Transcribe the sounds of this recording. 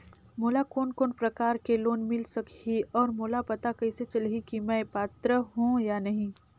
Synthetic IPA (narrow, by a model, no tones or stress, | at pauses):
moːlakoːnkoːnpɾɐkaːɾkeloːnmɪlsɐkiɔːɾmoːlapɐt̪akɐɪset͡ʃɐlɦikimɛ̃ːpaːt̪ɾəɦũjanɐɦĩ